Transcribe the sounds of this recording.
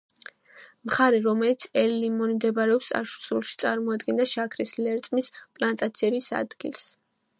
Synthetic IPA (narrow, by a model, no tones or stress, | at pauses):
mχaɾiɾɔmɛlit̪sʰɛlːimɔnimd̪ɛbaɾɛɔpsa̰ʃɾsulˠʃit̪sʼaɾmɔad̪ɡɛnd̪aʃakʰɾislɛɾt̪ʼmispʼlant̪ʼat̪sʰiɛbisa̰d̪ɡḭlˠs